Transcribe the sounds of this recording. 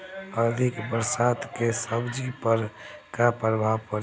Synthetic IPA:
əd̪ʱɪkbəɾsaːt̪kesəbd͡ʒipəɾkapɾəbʱaʋpəɾ

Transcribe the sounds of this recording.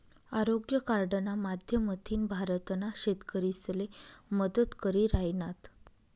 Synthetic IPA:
aɾoɡjəkaɾɖənamad̪ʱjəməd̪ʱiːnbʱaɾət̪naɕet̪kəɾisleməd̪ət̪kəɾiːɾajnat̪

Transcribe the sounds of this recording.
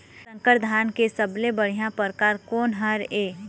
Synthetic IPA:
sə̃ŋkəɾd̪ʱaːnkesəblebəɽ̤ijãpəɾkaːɾkoːnɦəɾeː

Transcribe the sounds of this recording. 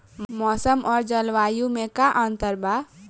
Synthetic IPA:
mmʌsʌmʌɾd͡zʌlwajumekaʔʌnt̪ʌɾba

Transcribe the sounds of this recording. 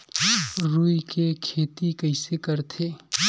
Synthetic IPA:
ɾuikekʰeːt̪ikəɪsekəɾt̪ʰe

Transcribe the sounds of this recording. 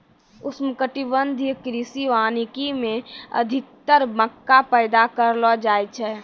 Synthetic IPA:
ʊsmkəʈibənd̪ʱikɾisiʋaːnikimẽə̰d̪ʱɪk̚t̪əɾməkːapəɪd̪akəɾlɔd͡ʒaːjt͡ʃʰɛː

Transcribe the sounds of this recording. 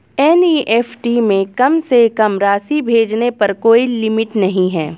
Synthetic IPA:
ɛːniːʔɛːfʈimẽkɐmsekɐmɾaːsibʱeːd͡ʒnepɐɾkoːilɪmɪʈnɐɦĩɦɛː

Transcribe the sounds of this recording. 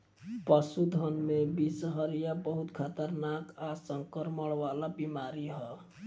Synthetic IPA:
pəsud̪ʱənmebisɦəɾijabəɦut̪kʰat̪əɾnakasəŋkəɾməɽʋalabimaɾiɦɔ

